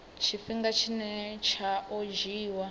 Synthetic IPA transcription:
t͡ʃʰifiŋɡat͡ʃʰinɛt͡ʃʰaʔod͡ʒiːwa

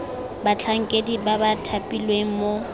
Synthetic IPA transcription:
bat͡ɬʰaŋ̩kʼedibabatʰapʼilweŋ̩mo

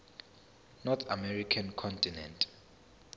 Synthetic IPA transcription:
nɔt̪ʰa̰mɛrikʰankʰɔntʰʼinɛ̰̃ntʰ

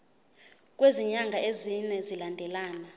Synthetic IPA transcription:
k̬ʼweziɲaŋɡʱaʔezinɛzilandʱɛlaːna

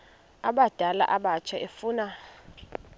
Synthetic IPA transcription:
aɓad̥ʱala̰ʔaɓat͡ʃʰaefuːna

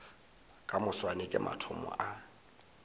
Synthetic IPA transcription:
kʼamʊswanɪkʼɪmʔa̰tʰɔmɔ̰ʔa

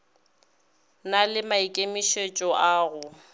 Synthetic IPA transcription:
nalɪmaikʼemiʃet͡ʃʼɔʔaːɣʊ

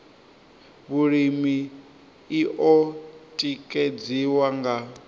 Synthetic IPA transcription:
βuɺimiː | ʔɔtʼikʼed͡ziwaŋɡa

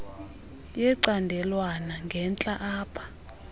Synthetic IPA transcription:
jɛǀandʱɛlwanaŋɡʱɛnt͡ɬʼaʔaːpʰḁ

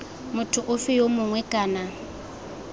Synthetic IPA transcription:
mʊtʰʊʔʊfɪjomʊŋwɛkʼaːna

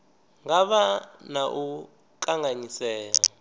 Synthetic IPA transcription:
ŋɡaβanaʔu | kʼaŋɡaɲisɛːja

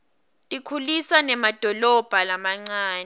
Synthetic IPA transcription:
tʼikʰulisanɛmad̥ʱɔlɔb̥ʱalamaŋ͡ǀaːnɛ

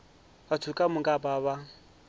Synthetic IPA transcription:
βatʰukʼamʊŋɡʼabaβa

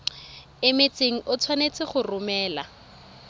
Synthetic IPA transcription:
ɪmet͡sʼeŋ̩ʔʊt͡sʰwanet͡sʼɪχʊrʊmɛːla

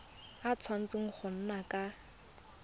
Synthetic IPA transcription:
at͡sʰwan̩t͡sɪŋ̩χʰʊn̩nakʼa

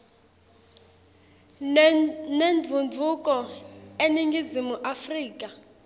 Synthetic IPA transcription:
nenvʱund͡vʱukʼɔeniŋɡʱizimuʔafriːk̬ʼa

